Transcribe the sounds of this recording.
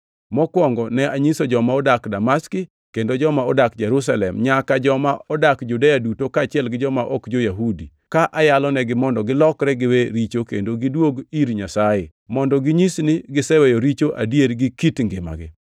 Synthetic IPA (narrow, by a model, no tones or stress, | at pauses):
mɔkwɔŋɡɔnɛaɲisod͡ʒɔmaɔdakdamaskɪ | kendod͡ʒɔmaɔdakd͡ʒɛɾus̬alɛmɲakad͡ʒɔmaɔdakd͡ʒudejadutokaːt͡ʃɪɛlɡɪd͡ʒɔmaʔɔkd͡ʒojaɦudi | kaʔajalɔnɛɡɪmɔndɔɡɪlɔkɾɛɡɪweɾit͡ʃokḛndoɡɪdwoɡiɾɲasaje | mɔndɔɡɪɲisnɪɡɪsɛwɛjoɾit͡ʃoʔa̰djeɾɡɪkitŋɡɪma̰ɡɪ̰